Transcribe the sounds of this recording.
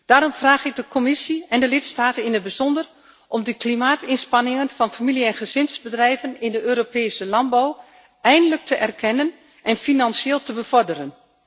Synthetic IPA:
d̥aːɾɔmfraːɣɪɡ̚dəkʰomɪsiɛndəlɪtstaːtənɪnəd̚bəzɔndər | ʔɔmdəklimaːtɪnspɑnɪŋənfɑnfamiliɛnχəzɪnzbədrɛjvənɪndəʔøːɾopɛːsəlɑnbaw | ʔɛjndələk̚tʰəʔɛrkʰɛnən | ʔɛnfinansɪːlˠtəbəv̥ɔrdərən

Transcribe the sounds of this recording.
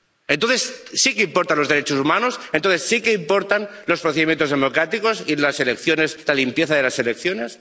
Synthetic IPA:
ent̪onθessikeimpo̞ɾt̪anlo̞zðeɾet͡ʃosumãnosent̪onθesːikeimpo̞ɾt̪anlo̞spɾoθeimjent̪o̞zðemo̞kɾat̪iko̞silaselekθjone̞slalimpjeθaðe̞lase̞lek̚θjo̞ne̞s

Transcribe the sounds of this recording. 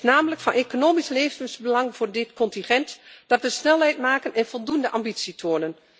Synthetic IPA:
naːmələkfɑnʔekonoːmisleːfɪsbəlɑŋvʊːrdɪtkɔntinχɛntd̥ɑtʋəsnɛlˠɦɛjtmaːkənɛnvolˠdundəʔɑmbitsitʰoːnən

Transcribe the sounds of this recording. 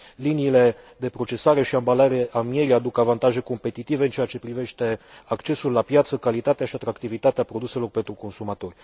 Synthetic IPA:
liniːle̞ | d̪e̞pɾo̞t͡ʃe̞saɾe̞ʃiambalaɾe̞ʔamie̞ɾiad̪ukavant̪aʒe̞ko̞mpe̞t̪it̪ive̞ɨnt͡ʃe̞at͡ʃe̞pɾive̞ʃt̪e̞akt͡ʃe̞sulːapjat̪səkalit̪at̪eaʃiat̪ɾakt̪ivit̪at̪eapɾo̞d̪use̞lo̞rpe̞nt̪ɾuko̞nsumat̪o̞rʲ

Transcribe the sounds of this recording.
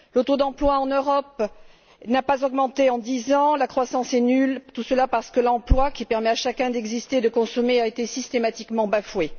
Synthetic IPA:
lot̪od̪ɑ̃plwaɑ̃nøʁɔp | napazɔɡmɑ̃t̪eɑ̃d̪izɑ̃lakχwasɑ̃sɛnylt̪usəlapaʁsə̥kəlɑ̃plwakʲipɛʁmɛaʃakɛ̃d̪ɛɡzist̪eːd̪əkɔ̃sɔmeaet̪esist̪emat̪ikmɑ̃bafwe

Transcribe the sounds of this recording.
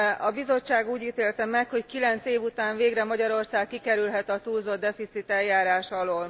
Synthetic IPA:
ɒbizo̞t͡ʃːaːɡuːɟiːt̪eːlt̪ɛmɛkho̞ckilɛnt̪seːvut̪aːɱveːɡrɛmɒɟɒɾo̞rsaːkːikɛɾylɦɛt̪ɒt̪uːlzod̪ːɛfit̪sit̪ɛljaːɾaːʃɒloːl

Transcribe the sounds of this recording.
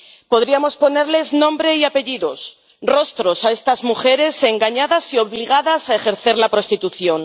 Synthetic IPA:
po̞ðɾiamo̞spo̞ne̞ɾle̞znõ̞mbɾe̞iape̞ʝiðo̞s | ro̞st̪ɾo̞sae̞st̪azmuxe̞ɾe̞se̞ŋɡaɲaðasio̞βliɣaðasaexe̞ɾθe̞ɾlapɾo̞st̪it̪uθjo̞n

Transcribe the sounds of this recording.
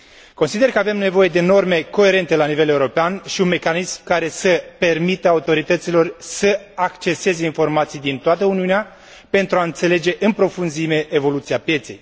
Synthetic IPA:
ko̞nsid̪e̞rkəave̞mne̞vo̞je̞d̪e̞no̞rme̞ko̞e̞ɾe̞nt̪e̞lanive̞le̞uɾo̞peanʃiunme̞kanismkaɾe̞səpe̞rmit̪əaut̪o̞ɾit̪ət̪silo̞rsəakt͡ʃe̞se̞ze̞info̞rmat̪sijd̪int̪oat̪əuniunea | pe̞nt̪ɾuaɨnt̪se̞le̞d͡ʒe̞ʔɨnpɾo̞funzime̞ʔːvo̞lut̪siapje̞t̪se̞̰j

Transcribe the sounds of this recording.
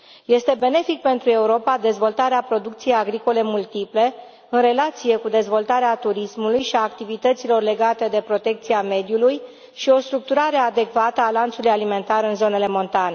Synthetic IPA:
je̞st̪e̞be̞ne̞fik̚pe̞nt̪ɾue̞uɾo̞pad̪e̞zvo̞lt̪aɾeapɾo̞d̪ukt̪sije̞jaɡɾiko̞le̞mult̪iple̞ | ɨnɾe̞lat̪sije̞kud̪e̞zvo̞lt̪aɾeat̪uɾismulujʃiaːkt̪ivit̪ət̪silo̞rle̞ɡat̪e̞d̪e̞pɾo̞t̪e̞k̚t̪siame̞d̪juluj | ʃio̞st̪ɾuk̚t̪uɾaɾe̞ad̪e̞kvat̪əalant̪sulujalime̞nt̪aɾɨnzo̞ne̞le̞mo̞nt̪ane

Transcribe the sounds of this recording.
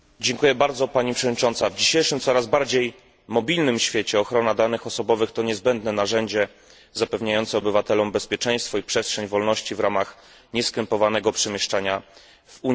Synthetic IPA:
d͡ʑɛŋkujɛbaɾd̪zɔpaɲipʂɛvɔd̪ɲit͡ʂɔnt̪savd͡ʑiɕejʂɘmt̪sɔɾazbaɾd͡ʑej | mɔbʲilnɘmɕfʲjet͡ɕɛɔxɾɔnad̪anɘxɔsɔbɔvɘxt̪ɔɲɛzbɛnd̪nɛnaʐɛɲd͡ʑɛ | zapɛvɲajɔnt̪sɛɔbɘvat̪ɛlɔmbɛspʲjɛt͡ʂɛj̃st̪fɔipʂɛstʂɛɲvɔlnɔɕt͡ɕivɾamax | ɲɛskʲɛmpɔvanɛɡɔpʂɛmʲjɛʂt͡ʂaɲa | vuɲ

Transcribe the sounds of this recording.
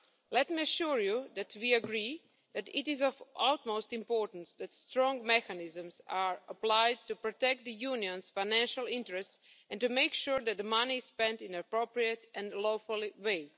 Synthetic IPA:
lɛtmiəʃuɹjud̪ætʰwiəɡɹi | ðætɪtɪzɔvʔaʊtmoʊstɪ̃mpɔɹtn̩sðætstɹɔ̃ŋɡmɛkanɪzə̃msaɹəplaɪd̚tupɹɔtɛk̚t̚d̪ðəjuniə̃nsfaɪnæ̃nʃalˠɪ̃ntɹɛsts | ɛ̃ntumeɪkʃuɹðɛt̚d̪manispɛ̃ntɪ̃nəpɹopɹiətɛ̃nloʊfʊlˠweɪ

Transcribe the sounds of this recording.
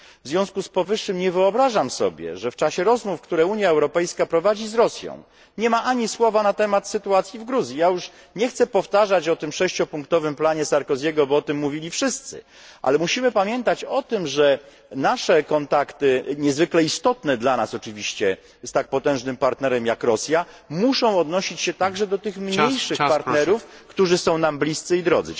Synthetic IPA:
vzvʲjɔ̃skuspɔvɘʂːɘmɲɛvɘɔbɾaʐamsɔ̰bʲjɛ̰ʐɛft͡ʂaɕɛɾɔzmufkt̪uɾɛuɲjaɛwɾɔpɛjskapɾɔvad͡ʑizɾɔsʲjɔ̰̃w̃ | ɲɛmaʔaɲiswɔvanat̪ɛmat̪sɘt̪uat̪sʲjivɡɾuzʲjijajuʂ | ɲɛxt̪sɛpɔft̪aʐat͡ɕɔt̪ɘmʂɛɕt͡ɕɔpuŋkt̪ɔvɘmplaɲɛsaɾkɔzʲjɛɡɔbɔɔt̪ɘmːuvʲilʲifʂɘst̪sɘ̰ | ʔa̰lɛmuɕimɘpamʲjɛnt̪at͡ɕɔt̪ɘmʐɛ | naʂɛkɔnt̪akt̪ɘɲɛzvɘklɛist̪ɔt̪nɛd̪lanasɔt͡ʂɘvʲiɕt͡ɕɛ | st̪ak̚pɔt̪ɛ̃w̃ʐnɘmpaɾt̪nɛɾɛmjakɾɔsʲjamuʂɔ̃w̃ɔd̪nɔɕit͡ɕɕɛt̪aɡʐɛd̪ɔt̪ɘxmɲɲejʂɘpaɾt̪nɛɾufkt̪uʐɘsɔ̃w̃namblʲist̪sɘid̪ɾɔ̰d̪zɘ̰

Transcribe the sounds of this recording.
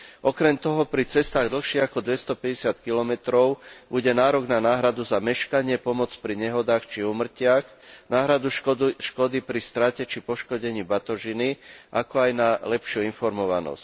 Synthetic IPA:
ʔɔkɾɛmt̪ɔɦɔpɾit͡sɛst̪aːɣd̪l̩xʃiakɔd̪ʋɛst̪ɔpɛɟɛsɪat̪kilɔmɛt̪ɾɔʊbuɟɛnaːɾɔɡnanaːɦɾad̪uzamɛʃkaɲɪɛpɔmɔt͡spɾiɲɛɦɔd̪aːxt͡ʃiuːmr̩cɪaxnaːɦɾad̪uʃkɔd̪ipɾist̪ɾacɛt͡ʃipɔʃkɔɟɛɲibat̪ɔʒiniʔa̰kɔajnalɛpʃɪuinfɔɾmɔʋa̰nɔ̰sc

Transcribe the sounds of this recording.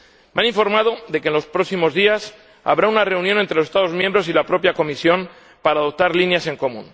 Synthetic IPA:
meanĩɱfo̞ɾmað̞o̞ðe̞kenlo̞spɾo̞ksimo̞zðias | a̰βɾaunare̞unjo̞ne̞nt̪ɾeosest̪aðo̞zmjembɾo̞silapɾo̞pjako̞misjo̞m | paɾaːðo̞p̚t̪aɾlinjase̞ŋko̞mṵ̃n

